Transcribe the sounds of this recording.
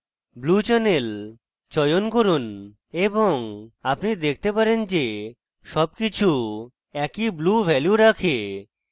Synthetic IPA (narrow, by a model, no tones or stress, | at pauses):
blut͡ɕɛnel | t͡ɕɔjonkoɾun | eboŋapnid̪ek̚ʰt̪epaɾend͡ʑe | ʃɔb̚kit͡ɕʰu | ɛkiblubʱɛljuɾakʰe